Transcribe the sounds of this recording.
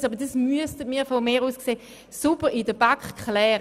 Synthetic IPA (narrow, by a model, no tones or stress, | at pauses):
sɑːbəʁdismyəstədmiːɐfomeːʁuːskseː | supəʁidəb̥akχkχlɛːʁ